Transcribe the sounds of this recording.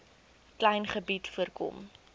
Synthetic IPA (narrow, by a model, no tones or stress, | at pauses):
klɐjnχəbitfuərkɔ̰m